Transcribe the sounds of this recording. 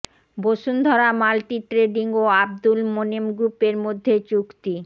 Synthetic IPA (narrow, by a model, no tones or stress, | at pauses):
boʃund̪ʱɔɾamalʈiʈɾeɖiŋoab̚d̪ulmonemɡɾupeɾmod̪ʱːet͡ɕukt̪i